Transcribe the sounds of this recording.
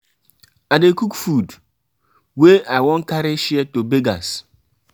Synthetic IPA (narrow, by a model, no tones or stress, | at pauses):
adekukfud | weʔaɪwɔŋ̩kaɾɪʃetobeɡas